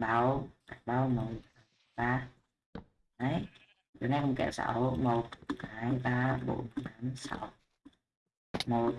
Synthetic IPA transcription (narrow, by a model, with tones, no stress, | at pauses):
ɓa˧˦wka˨˦ɓaː˧wmo˨˩na˨˦m | ɓaː˧ | ʔa˨˧˦j | ɗo̰˨˧˨na˧˩kʊ˧˨ŋ͡mkɛ̰˧˨˩wsa̰˧˦wmo˨˩t̚ka˨˦jɓaː˧ɓo̰˧˦nta˧˦˥msa̰˧˦w | mo˨˩t̚